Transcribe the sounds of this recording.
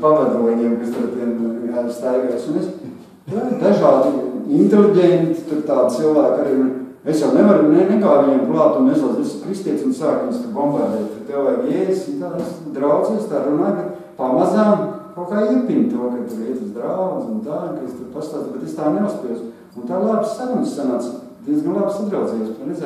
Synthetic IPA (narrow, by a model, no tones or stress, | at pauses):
pavad̪uɔɲiɛmkast̪uɾt̪ʲiɛnast̪ajɡasunes | ad̪aʒaːd̪ɪint̪eliɟent̪i̥t̪uɾt̪aːd̪̚silˠʋæːkaɾiːuɾ | esjawneʋaɾnɛnɛkaːʋiɲɛmklˠɑːt̪unmɛzuːzesskɾist̪iɛt̪sʲunsaːkunskabɔmbaɾd̪ɛːt̪t̪ut̪ɛwvajjɛːjsint̪aːsd̪ɾawd̪zest̪aːɾunaːjka | pamazaːmkawkaːipint̪uːkat̪uɾiɛt̪asd̪ɾawd̪zunt̪aːunkest̪uɾpast̪aːt̪bet̪est̪aːneuspijos | unt̪aːlˠabssaɾunsːanans | d̪̥ʲiɛnzɡanlˠabsad̪ɾawd̪zɛjosanez